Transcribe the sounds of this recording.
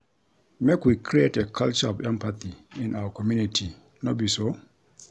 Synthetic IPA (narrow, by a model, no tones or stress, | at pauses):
mekwikʰɹietekʰalt͡ʃəɔvɛ̃mpaθiɪ̃nʔawəkʰɔmjunitʰi | nobiso